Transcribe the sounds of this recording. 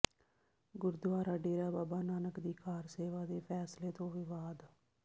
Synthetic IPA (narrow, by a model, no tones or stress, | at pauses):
ɡʊɾd̪ʊaːɾaːɖeːɾaːbaːbaːnaːnəkd̪iːkʰaːɾseːʋaːd̪eːpʰɛːsleːt̪õːʋɪʋaːd̪